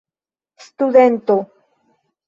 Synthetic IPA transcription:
st̪uðent̪o

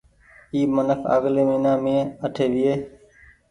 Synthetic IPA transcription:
iːmənəkʰə̰ɣleːmĩːnãːmẽːəʈʰeːʋɪeː

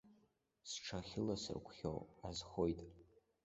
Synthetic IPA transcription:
sʈ͡ʂʰaχʲɪlasɨ̰rkʷʰχʲo̰wazχo̞jtʼ

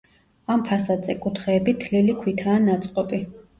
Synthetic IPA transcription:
ampʰasad̪zʼɛkʼut̪ʰχɛːbit̪ʰlilikʰwit̪ʰaːnat̪sʼqʼɔpʼi

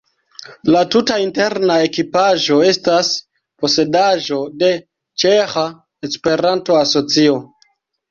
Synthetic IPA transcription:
latutainte̞ɾnae̞kipaʒo̞e̞stas | po̞se̞daʒo̞de̞ | t͡ʃexa | espe̞ɾanto̞aso̞t͡sio̞

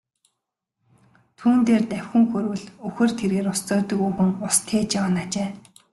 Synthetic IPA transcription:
t̪ʰuːnt̪eːrt̪æw̥ʲxɵ̆ŋxɵɾwɘ̆ɮɵxɘ̆r̥t̪ʰeɾɣeːɾʊst͡sɔːt̪ɵ̆kɵɣɘ̆ŋʊst̪ʰeːt͡ɕawə̆nat͡ɕeː

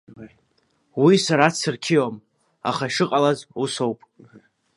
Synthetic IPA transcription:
wisaɾat͡sɨrkʲʰijam | a̰χaiʂɨqʼalazuso̞wpʼ

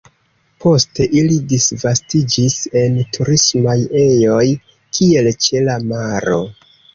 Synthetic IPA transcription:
pʰo̞ste̞ʔilidisvastid͡ʒise̞ntʰuɾismaje̞jo̞j | kʰie̞lt͡ʃe̞lamaɾo̞̰

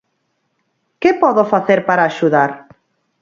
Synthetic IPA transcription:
kɪpɔðofaθeɾpaɾaːʃuðaɾ

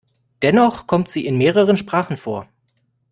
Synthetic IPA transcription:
d̥ɛnɔχkʰɔmtz̥iːɪnmeːʁəʁ̞ənʃpʁ̥aːχn̩foːɐ

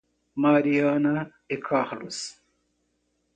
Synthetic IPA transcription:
maːɾijaːna | ekʰaːhɐɽṵs

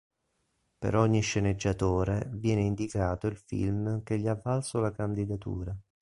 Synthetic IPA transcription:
pḛɾɔɲːiʃːened͡ʒːat̪oːɾevjɛːneind̪ikaːt̪oilfḭlmk̟eʎːiavːalsolakand̪id̪at̪ṵːɾa

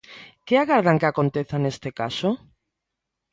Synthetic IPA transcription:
keaɣaɾð̞aŋkeakont̪eθanest̪eka̰so

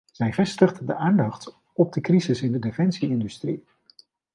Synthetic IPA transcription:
z̥ɛjvɛstəχddəʔaːndɑχt | ɔb̚dəkrizɪsɪndədefɛnsiɪndystri

